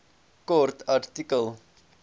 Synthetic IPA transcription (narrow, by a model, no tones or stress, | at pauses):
kɔrtʰartikəlˠ